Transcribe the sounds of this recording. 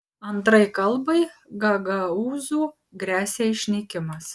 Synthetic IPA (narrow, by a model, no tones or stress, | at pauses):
ɐnt̪ɾɐɪkɐlˠˑbɐɪɡɐɡɐuːzuː | ɡɾʲæːsʲeːɪʃʲnʲɛkʲɪmɐs